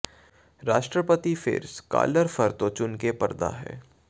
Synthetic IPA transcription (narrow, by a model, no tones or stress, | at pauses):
ɾaːʃʈɾəpət̪ifɪ̰ɾska̰ːləɾfəɾt̪ot͡ʃʊnkepɐɾd̪a̰ɦɛ̰ː